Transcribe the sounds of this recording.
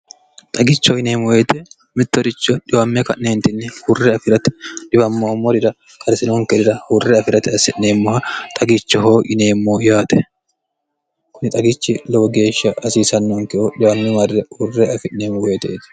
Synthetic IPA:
t̪ʼɐɡɪt͡ʃːɔɪneːmʊweːt̪ɛ | mɪt̪ːɔɾɪt͡ʃːɔᶑɪwɐmːɛkɐʔɪneːnt̪ɪnːɛhʊrːɛɐfɪɾɐt̪ɪ̥ᶑɪbɐmːɔhmːɔɾɪɾɐ | kʰɐɾsɪnoŋkɛd̪ɪɾɐhʊrːɛɐfɪɾɐt̪ɪɐsɛʔɪneːmːɔhɐt̪ʼɐɡɪt͡ʃːɔɦoːʔɪneːmːojaːt̪ɛ | kʊnɪt̪ʼɐɡɪt͡ʃːɪlɔɡe̞ːʃːɐʔɐsiːsɐnːɔŋkɛʔoᶑɪwɐmːɛmɐrːɛhʊrːɛɐfɪʔɪneːmʊweːt̪ɛt̪ɛ̥

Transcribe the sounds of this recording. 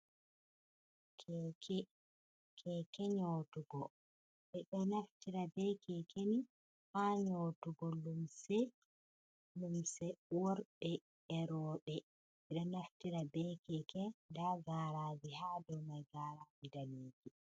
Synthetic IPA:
kʰɛkʰɛ | kʰɛkɛɲotuɡɔ | ɓɛɗɛnaftiɾabɛkʰɛkʰeni | haɲotuɡɔlumsɛ | lumsɛwoɾɓɛ | ɛɾɔːɗɛ | ɛɗɔnaftiɾabɛkɛkɛndaɡaːɾaːd͡ʒiɦaːdɔmajɡaɾaːd͡ʒidaleːd͡ʒi

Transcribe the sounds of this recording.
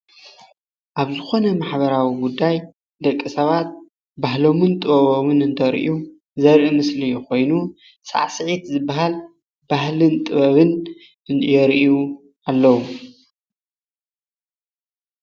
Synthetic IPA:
ʔaβzɨxo̞nɐmaħβɐɾawiɡud̪ːaj | d̪ɐkʼːisɐβat̪̚ | baɦlo̞mɨnt̪ʼɨβɐβomɨnɨnt̪ʰɐɾʔiu | zɐɾʔimɨslijkʰo̞jnu | sa̰ʕsɨʕit̪zɨbːaɦal | bahlɨnt̪ʼɨβɐβɨn | ɨjɛɾʔju | alːɐwu

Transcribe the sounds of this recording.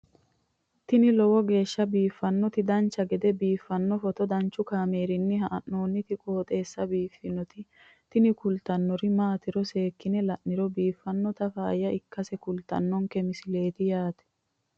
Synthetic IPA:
t̪ɪnɪlɔwɔɡe̞ːʃːɐbiːfːɐnːɔt̪ɪd̪ɐnt͡ʃːɐɡɛd̪ɛbiːfːɐnːɔfɔt̪ɔd̪ɐnt͡ʃːʊkaːme̞ːɾɪnːɪɦɐʔɐʔːoːnːɪt̪ɪkʼo̞ːt̪ʼe̞ːsːɐbiːfːɪnɔt̪ɪ | t̪ɪnɪkʊlt̪ɐnːɔɾɪmaːt̪ɪɾɔse̞ːkːɪnɛlɐʔːɪɾɔbiːfːɐnːɔt̪ɐfaːjɐʔɪkːɐsɛkʊlt̪ɐ̰nːɔŋkɛmɪsɪle̞ːt̪ɪjaːt̪ɛ̥

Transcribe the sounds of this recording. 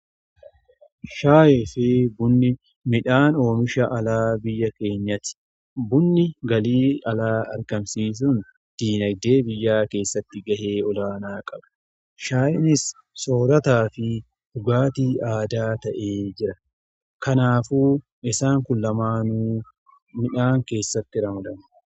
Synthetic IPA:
ʃaːjɛfɪbʊnːɪ | mɪᶑaːno̞ːmɪʃɐʔɐlaːbɪjːɐke̞ːɲːɐt̪ɪ̥ | bʊnːɪɡɐliːɐlaːɐ̰ɾɡɐmsiːs̬ʊn | d̪̥iːnɐɡd̪e̞ːbɪjːaːke̞ːsːɐt̪ːɪɡɐhe̞ːɔlaːnaːkʼɐb̥ɐ̥ | ʃaːʔɪnɪs | so̞ːɾɐt̪aːfɪ | d̪ʊɡaːt̪iːaːd̪aːt̪ɐʔe̞ːd͡ʒɪɾɐ | kɐnaːfuː | ʔɪsaːŋkʊlːɐmaːnuː | mɪᶑaːŋke̞ːsːɐt̪ːɪɾɐmɐd̪ɐnʊ̥

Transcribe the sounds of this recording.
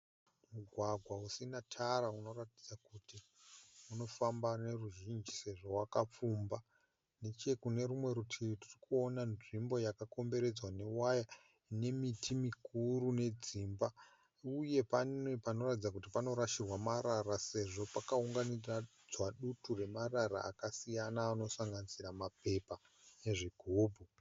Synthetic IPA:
muɡʱwaɡʱwausinatʰaɾauno̞ratid͡zakutiuno̞fambane̞ruʒind͡ʒise̞ʐo̞wakap͡fuːmba | net͡ʃe̞kune̞ɾumwe̞ɾutʰiririkuonanʐimbo̞jakako̞mbe̞ɾe̞d͡zwane̞waja | ine̞mitʰimikuɾune̞d͡ziːmba | uje̞paepano̞ratid͡zak̬utipano̞ɾaʃirwamaɾaɾase̞ʐo̞pakauŋɡanira | d͡zwaɗuture̞maraɾa̰a̰kasijanaːno̞saŋɡanisiɾamape̞pa | neʐiɡʱuːbʱu

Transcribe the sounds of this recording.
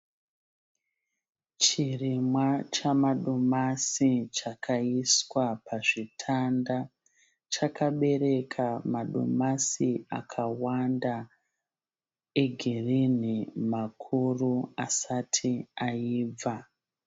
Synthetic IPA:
t͡ʃirimwat͡ʃamaɗomasit͡ʃakʰaiswapʰaʐitʰanda | t͡ʃakʰaɓe̞ɾe̞kʰamaɗo̰masia̰kʰawanda | e̞ɡʱirinimakʰuruasatʰiaiːb͡va

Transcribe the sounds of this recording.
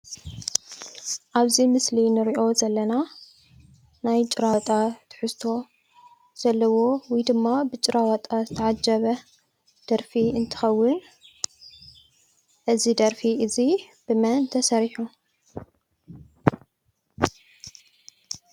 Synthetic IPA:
ʔaβzimɨslinɨɾiʔo̞zɐlːɐna | najt͡ʃʼɨɾat̪ʼat̪ʰɨ̥ħɨst̪ʰo̞ | z̥ɐlːɐwo̞wijd̪ɨmːabɨt͡ʃʼɨɾawɐt̪ʼazɨt̪ʰɐʕad͡ʒɐβɐ | d̪̥ɐɾfiɨnt̪ʰɨ̥xɐwːɨn | ʔɨzid̪ɐɾfiɨzi | b̥ɨmɐnt̪ʰɐsɐɾħu

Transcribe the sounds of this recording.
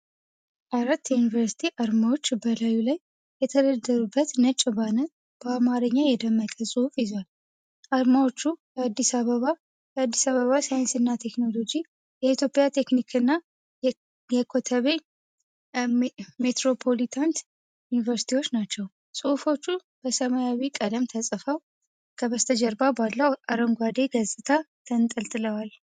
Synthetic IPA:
ʔaɾat̪ːjɛjunivəɾsi̥t̪ʰiʔaɾmawo̞t͡ʃːbəlajulajː | ɛt̪ʰəd̪əd̪ːəɾubːət̪nət͡ʃʼːɪβanət̪ | b̥əamaɾəɲːajɛd̪əmːəkʼəsʼɨufjɪzwal | ʔaɾmawot͡ʃːukəad̪ːisaβəβa | kəad̪ːisaβəβasajənsɨnːat̪ʰe̞kno̞lo̞d͡ʒi | jɛit̪jo̞pʼːjat̪ʰe̞knikʰɨnːa | jɛkʰo̞t̪ʰəβe̞ | me̞t̪ɾo̞pʰo̞lit̪ʰant̪ | junivəɾsi̥t̪ʰiwo̞t͡ʃːnat͡ʃːɛw | sʼɨufo̞t͡ʃːu | b̥əsəmajawikʼəd̪əmt̪ʰəsʼɨfəw | kʰəbəst̪ʰəd͡ʒɛɾbabalːəwaɾəŋɡʷad̪e̞ɡəzʼɨt̪ʰat̪ʰənt̪ʼəlt̪ʼɨləwal

